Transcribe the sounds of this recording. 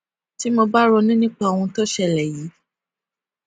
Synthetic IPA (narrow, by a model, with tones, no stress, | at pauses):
ti˦mo˧ba˦ɾo˧nĩ˦nĩ˦k͡pa˧˨o˨wɔ̃˧tɔ˦ʃɛ˧˨lɛ˨ji˨˦